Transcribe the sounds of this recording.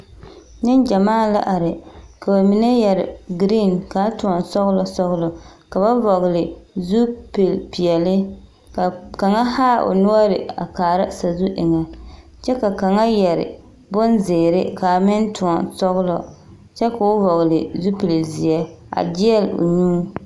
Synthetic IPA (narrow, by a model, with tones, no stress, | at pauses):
nɪ˦nd͡ʒa˨maː˦˨la̰˦ʔa˨ɾɪ˨ka˨ba˨mi˨nɛ˦jɛ˨ɾɪ̰˨ɡɾi˦˨nka˨˦tʊ˨ɔ˨nsɔ˦ɣlɔ˨sɔ˦ɣlɔ˨ka˨ba˦vɔ˨ɣlɪ˨zu˦pɪ˨lpi˨ɛ˨lɪ˦ | ka˨ka˨ŋa˦haː˦ʔo̰˨nu˦ɔ˦ɾɪ̰˨a̰˨kaː˨ɾa˦sa˨zu˦ʔɪ˨ŋa˨ | t͡ʃɛ˦ka˨ka˨ŋa˦jɛ˨ɾɪ̰˨ | bʊ˦nzeː˨ɾɪ˦ka˨mɪ˦ntʊ˨ɔ˨nsɔ˦ɣlɔ̰˨ | t͡ʃɛ˦ka˨ʊ˦vɔ˨ɣɪ˨lɪ˨zu˦pi˨lzi˨ɛ˦ | a̰˨d͡ʒɪ˦ɛ˦lʊ̰˨ɲu˦